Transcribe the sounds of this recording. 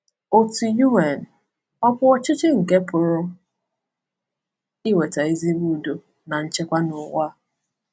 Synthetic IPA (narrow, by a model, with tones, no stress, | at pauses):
o˨tu˨ju˦e˨n̩˨ | ɔ˦kʊ˦ɔ˦t͡ʃɪ˦t͡ʃɪ˦ŋ̩˨ke˦pʊ˨ɾʊ˦ | i˦we˨ta˨i˦zi˦bu˦˨du˨ | na˨n̩˦t͡ʃe˦kʷa˦nʊ˨wa˦